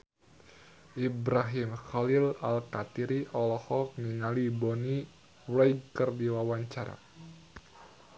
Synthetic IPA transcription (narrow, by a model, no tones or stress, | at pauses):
ʔibɾaɦimxalilalkat̪iɾiʔɔlɔhɔk̚niŋalibɔni | wɾɛjɡkərdiwawaɲt͡ʃaɾa̰